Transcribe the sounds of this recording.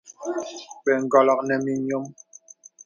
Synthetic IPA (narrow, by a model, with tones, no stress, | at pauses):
ɓɛ˨ŋ̩˨ɡɔ˨lɔ˨k̚nɛ˨mi˨ɲo˦m